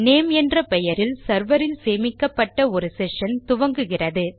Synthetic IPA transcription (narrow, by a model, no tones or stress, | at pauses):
neːmɛndrɐpɛjɐɾɪlsɐɾʋɐɾɪlseːmɪkːɐpːɐʈːɐɔɾɯsɛʂɐnt̪ʊʋɐŋɡɯɣɪrɐðɯ